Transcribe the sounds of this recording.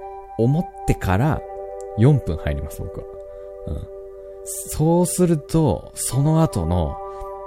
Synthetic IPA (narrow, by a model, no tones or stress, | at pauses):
o̞mo̞t̪ːe̞kʰaɾa̰jõ̞mpɯ̟̃ɰ̃haiɾʲimasɨbo̞̰kɯ̟βa̰ | ɯ̟̰̃ɴ | so̞ːsɨɾɯ̟t̪o̞̰ | so̞no̞at̪o̞̰no̞̰